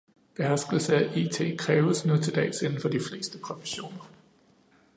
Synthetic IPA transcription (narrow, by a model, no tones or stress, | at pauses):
b̥e̝ɦæɐsɡ̥l̩səæʔḭːt͡sʰe̝̰ːkʰʁɛːʊəsnut͡sʰe̝d̥ɛ̰ːse̝n̩fɒ̽d̥ifle̝̰ːsd̥əpʰʁofe̥ɕo̝̰ːnɐ